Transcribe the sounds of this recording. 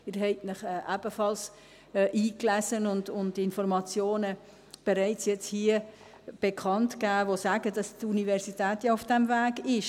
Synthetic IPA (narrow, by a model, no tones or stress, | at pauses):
ɪɾɦɛɪtnəχɛːʔæb̥əfɑls | ʔiːklæsənʊndʊntɪnfɔɾmɑt͡sjoːnə | b̥ɛɾaɪt͡sjɛt͡shiə | b̥ɛkʰɑntkæːʋosæːɡəd̥ɑstunivɛɾsitɛːtjɑʊfd̥ɛmvæːɡɪʃ